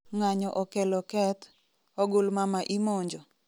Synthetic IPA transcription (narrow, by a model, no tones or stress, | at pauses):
ŋaɲɔʔɔkɛlɔkɛt | ɔɡʊlmamaʔimoɲd͡ʒɔ